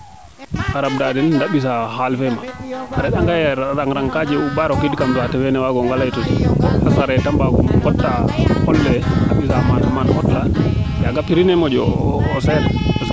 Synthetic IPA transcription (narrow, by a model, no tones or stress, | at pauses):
ʔaɾab̚dadɛndaɓis̬ahalfɛmaaɾɛɗaŋɡajɛɾaŋɾaŋkad͡ʒɛubaɾɔkedikamtɔatɛwɛnɛwaɡɔŋɡalajtɔkɔasaɾɛtambaɡɔmɡɔtːahɔlːɛaɓisamamanhɔtlajaɡapːiɾinɛmɔd͡ʒɔ̰ːsɛla